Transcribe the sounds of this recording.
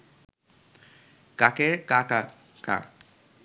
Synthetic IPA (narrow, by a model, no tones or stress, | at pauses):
kakeɾkaka | ka̰